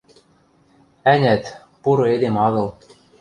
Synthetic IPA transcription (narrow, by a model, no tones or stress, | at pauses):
ænʲæt̪ | puɾɤ̆ed̪emɑɣɤ̆l